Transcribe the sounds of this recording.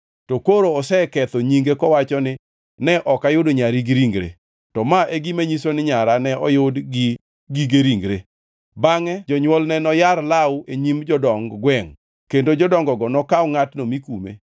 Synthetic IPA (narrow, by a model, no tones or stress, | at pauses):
tɔkoɾoːsɛkɛt̪oɲiŋɡekɔwat͡ʃɔnɪ | nɛʔɔkajʊdoɲaɾiɡɪɾiŋɡɾḛ | tɔmaʔeɡimeɲisonɪɲaɾanɛʔɔjʊdɡɪ | ɡiɡeɾiŋɡɾe | baŋɛd͡ʒɔɲwɔlnɛnɔjaɾlawʊeɲimd͡ʒɔdɔŋɡɡwɛŋ | kendod͡ʒɔdɔŋɡɔɡɔnɔkawŋatnomikumḛ